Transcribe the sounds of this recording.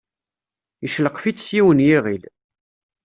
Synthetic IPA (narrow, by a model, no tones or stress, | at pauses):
jəʃləqfit͡sːsjiwənjiʁil